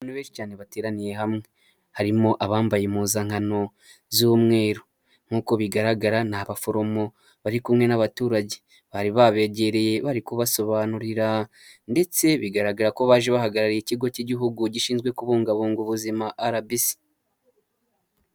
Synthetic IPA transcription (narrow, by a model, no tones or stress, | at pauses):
aβaːn̥huβeːnʃicaːne̞βate̞ːɾanije̞ɦamŋe̞ | haɾimo̞ʔaβaːmbajemuːzaŋ̥ano̞ | zumŋe̞ːɾo | ŋ̥uːko̞βiɡaɾaɡaɾanaβafo̞ɾo̞mo̞ | βaɾikumŋe̞naβatuːɾaɟe̞ | βaɾiβaβe̞ɟe̞ɾe̞je̞βaɾikuβaso̞βanuɾiɾa | nde̞t͡se̞βiɡaɾaɡaɾako̞βaːʒe̞βahaɡaɾaɾijiciɡo̞ciɟiɦuɡuɟiʃiːnzɡwe̞kuβuːŋɡaβuːŋɡuβuzimaʔaɾabisi̥